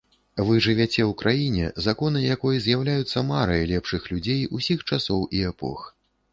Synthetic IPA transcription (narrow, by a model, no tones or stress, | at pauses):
vɨʐɨvʲɛt͡sʲɛwkɾʔajinʲɛ̰zakɔnɨjakɔjɐzʲjawlʲajut̪sːɐmaɾɐjɐlʲɛpʂɨxlʲud͡zʲejusʲixt͡ʂasɔwʔiɛpɔ̰x